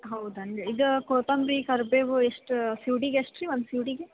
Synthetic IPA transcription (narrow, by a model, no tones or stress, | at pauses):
ɦɐwd̪ɐɳɖeid̪ukoːt̪ɐmbɾiːkɐɾbeːʋueʂʈsjiːɖiːɡeeʂʈɾiʋɐnd̪siːɖiɡe